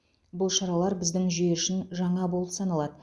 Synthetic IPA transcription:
bʊlˠʃɑɾɑlˠɑɾbɪzd̪ɪŋʒijeɪʃɪnʒɑɴɑbo̞lˠəpsɑnɑlˠɑd̪ə

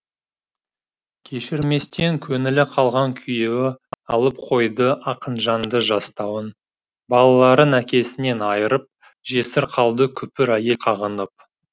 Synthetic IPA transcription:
kʲʰe̞ʃɪɾme̞st̪e̞ŋkʲʰɵnɪlɪqʰɑlˠʁɑŋkʲʰʏje̞wɪɑlˠəp̚qʰo̞jd̪əʔɑqənʒɑnd̪əʒɑst̪ɑwən | bɑlˠɑlˠɑɾənækʲe̞sɪne̞nɑjəɾəp̚ | ʒe̞sɪɾqʰɑlˠd̪əkʲʰʏpɪɾæje̞lqʰɑʁənəp̚

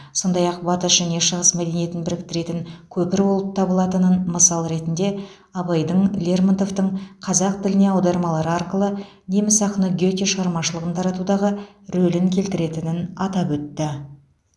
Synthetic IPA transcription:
so̞nd̪ɑjɑq̚bɑt̪əsʒ̥æne̞ʃəʁəsmæd̪e̞nije̞t̪ɪnbɪɾɪk̚t̪ɪɾe̞t̪ɪŋkʲʰɵpɪɾbo̞lˠəp̚t̪ʰɑbəlˠɑt̪ənənməsɑlˠɾe̞t̪ɪnd̪e̞ | ɑbɑjd̪əɴlʲe̞rmɑnt̪o̞ft̪əɴqʰɑzɑq̚t̪ɪlɪne̞ɑwd̪ɑɾmɑlˠɑɾəɑrqəlˠə | ne̞mɪsɑqənəɡʲot̪ʲeʃəʁɑɾmɑʃəlˠəʁənt̪ʰɑɾɑt̪ud̪ɑʁə | ɾɵlɪŋkʲʰe̞lt̪ɪɾe̞t̪ɪnɪnɑt̪ɑpwɵt̪ːɪ

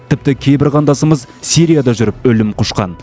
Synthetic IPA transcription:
t̪ʰɪp̚t̪ɪkʲʰejbɪɾʁɑnd̪ɑsəməzsiɾijad̪ɑʒʏɾɪpɵlɪmqʰoʃqɑ̰n

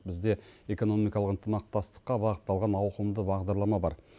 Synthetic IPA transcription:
bɪzd̪e̞e̞ko̞no̞mijkɑlˠəqənt̪əmɑq̚t̪ɑst̪ə̥qːɑbɑʁət̪ːɑlˠʁɑnɑwqəmd̪əbɑʁd̪ɑɾlˠɑmɑbɑɾ

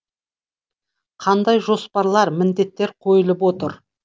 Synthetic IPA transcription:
qʰɑnd̪ɑjʒo̞spɑɾlˠɑɾmɪnd̪e̞t̪ːe̞ɾqʰo̞jəlˠəpwo̞t̪əɾ

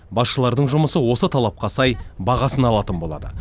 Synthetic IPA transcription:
bɑsʃəlˠɑɾd̪əɴʒʊməsəwo̞sət̪ʰɑlˠɑp̚qɑsɑjbɑʁɑsənɑlˠɑt̪ənbo̞lˠɑ̰d̪ə̰

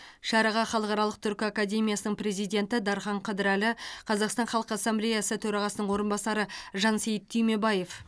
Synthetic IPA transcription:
ʃɑɾɑʁɑχɑlˠəqɑɾɑlˠəq̚t̪ʰʏɾkʲɪakad̪ʲe̞mʲijasənəɴpɾe̞zijd̪ʲe̞nt̪ɪd̪ɑɾχɑɴqʰɑd̪ɪɾælɪqʰɑzɑqst̪ɑnχɑlˠqəasːamblʲejasət̪ʰɵɾɑʁɑsənəɴwo̞ɾənbɑsɑɾəʒɑnse̞jt̪ʰːʏjme̞bɑje̞f

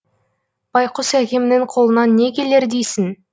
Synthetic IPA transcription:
b̥ɑjqʰʊsækʲe̞mɪnɪɴqʰo̞lˠənɑnːe̞kʲʰe̞le̞ɾd̪ejsɪn

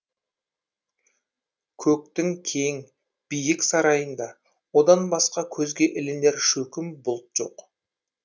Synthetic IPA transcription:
kʲʰɵk̚t̪ɪŋkʲʰe̞ŋ | b̥ijɪksɑɾɑjənd̪ɑ | wo̞d̪ɑnbɑsqɑkʲʰɵzɡʲe̞ʔɪlɪnd̪e̞ɾʃɵkʲɪmbʊlˠt̪ʒ̥o̞̰q

